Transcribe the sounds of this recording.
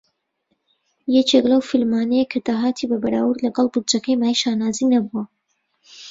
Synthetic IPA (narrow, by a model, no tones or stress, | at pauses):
jɛt͡ʃʰeklɐwfilmaːnɛjekʰɐd̪aːɦaːt̪ʰibɐbɐɾa̰ːwuɾlɐɡɑlˠbud͡ʒɐkʰɐjmaːjiʃaːnaːzinɐbuɐ